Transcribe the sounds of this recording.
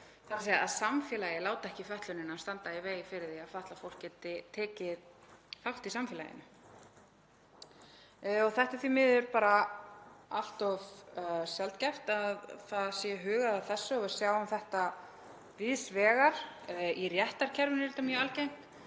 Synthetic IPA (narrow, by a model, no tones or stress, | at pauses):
θalseːja̰ðsamfɛːlajɪlaːwt̪aɛhcɪfɛht̪lʏnɪnast̪ant̪aiveːjɪfɪɾɪðθiafaht̪lafowl̥kcɛːt̪ɪt̪ʰɛːcɪðfawht̪isamfɛla̰jɪ̰nʏ | ɔɣθɛht̪aθvimɪːðʏɾpaːɾa | al̥t̪ɔvsjɛlt̪cɛft̪aðθaðsjɛɦʏːɣaðaθɛsːʏɔvɛɾ̥sjaːwamθɛht̪a | vɪðsvɛːɣaɾ̥irjɛht̪aɾ̥cʰɛɾvɪnɪɾɪt̪amjœːalcejm̥t̪